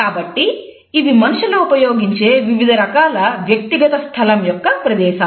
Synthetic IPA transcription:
kaːbɐʈːiː | ʋimɐnuʃɐlɐupɐjoːɡiɲt͡ʃeʋiʋid̪ʱɐɾɐkaːlɐʋjɐk̚t̪iɡɐt̪ɐst̪ʰɐlɐmjɔkːɐpɾɐd̪ɛːʃɐ

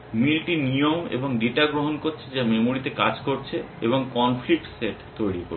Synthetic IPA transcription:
milʈinijomḛboŋɖeʈaɡɾoɦonkoɾt͡ɕʰed͡ʑamemoɾit̪ekad͡ʑkoɾt͡ɕʰeeboŋkɔnflik̚ʈseʈt̪ojɽieko̰ɾ

